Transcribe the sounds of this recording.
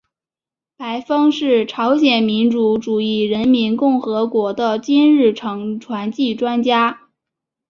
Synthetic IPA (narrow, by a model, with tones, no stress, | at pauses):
pa˧˥ɪfɑ˥ŋʂɻ̩˥˩ʈ͡ʂʰɑ˧˥ʊɕjɛ˨˩nmi˧˥nʈ͡ʂu˧˥ʈ͡ʂu˨˩i˥˩ɻə˧˥nmi˧˥nkʊ˥˩ŋxɤ˧˥kwɔ˧˥d̪ə˧t͡ɕi˥nɻɻ̩˥˩ʈ͡ʂʰɤ˧˥ŋʈ͡ʂʰwa˧˥nt͡ɕi˥˩ʈ͡ʂwa˥nt͡ɕja˥